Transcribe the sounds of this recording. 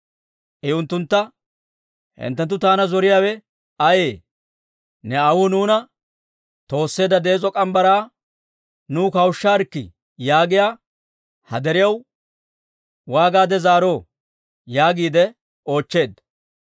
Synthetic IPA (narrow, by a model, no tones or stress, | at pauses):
ʔɪʊnt̪ːʊnt̪ːɐ | hɪ̰nt̪ːɛnt̪ːʊt̪aːnɐzɔɾɪjaːwɛ | ɐjeː | nɛɐwʊnuːnɐ | t̪o̞ːsːe̞ːd̪ɐd̪e̞ːt͡sʼɔkʼɐmbɐɾaː | nuːkɐwʊʃːaːɾkːɪ̰ | jaːɡɪjaː | hɐ̰d̪ɛɾɪjɐw | waːɡaːd̪ɛzaːɾo̞ː | jaːɡiːd̪ɛ | o̞ːt͡ʃːe̞ːd̪ːɐ